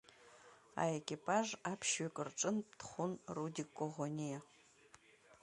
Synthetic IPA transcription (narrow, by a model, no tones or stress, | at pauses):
a̰ekʲʼipʼaʒapʰʃɥakʼɨrʈ͡ʂʼɨnp̚tʰχʷʊnrudikʷʼːoʁonʲija